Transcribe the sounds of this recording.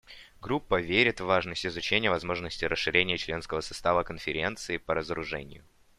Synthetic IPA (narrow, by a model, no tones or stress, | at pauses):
ɡɾupːəvʲeɾʲɪt̪vvːaʐnəsʲtʲɪzʊt͡ɕenʲɪjəvɐzmo̞ʐnəsʲtʲɪɾəsʂɨɾʲenʲɪjət͡ɕlʲe̞nskəvəsɐ̥st̪avəkənfʲɪɾʲe̞nt̪sɨɪpəɾəzəɾʊʐɛ̰nʲɪ̰jʊ